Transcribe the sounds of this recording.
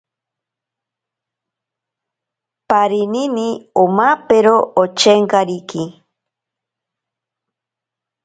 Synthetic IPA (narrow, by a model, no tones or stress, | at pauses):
paɾininiomapeɾoʔot͡ʃeŋkaɾiki